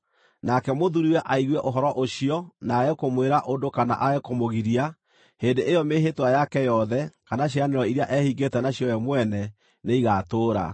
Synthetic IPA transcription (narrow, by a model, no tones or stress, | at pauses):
nakɛmoðuɾiwɛʔaiɣwɛʔoɦɔɾɔʔoɕiɔnaːɛkomweɾaʔondokana̰ʔaɛkomoɣiɾia | hendeʔejɔmeɦetwajakɛjɔðɛkanaɕ̬ianeɾɔiɾeaʔɛhiɡetɛnaɕjɔjɛmwɛnɛ | neiɣatoːɾa̰